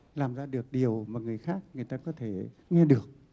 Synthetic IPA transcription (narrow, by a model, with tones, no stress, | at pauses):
laː˨˩mzaː˧ɗɨ˨˩ək̚ɗi˨˩əwmaː˨˩ŋɨ˨˩əjxaː˦˥k̚ŋɨ˨˩əjt̪aː˧kɔ˨˦t̪ʰe˧˩ŋɛ˧ɗɨ˨˩ək̚